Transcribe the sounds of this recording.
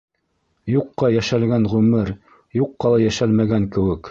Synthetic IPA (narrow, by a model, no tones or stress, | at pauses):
juqːɑjæʃælɡænʁʉmɘɾ | juqːɑlˠɑjæʃælmæɡæŋkɘ̆wɘk